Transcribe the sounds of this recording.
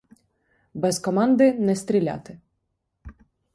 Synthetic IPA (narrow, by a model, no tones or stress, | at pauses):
bɛzkɔmɑnd̪ɪnɛst̪ʲɾʲilʲa̰t̪ɪ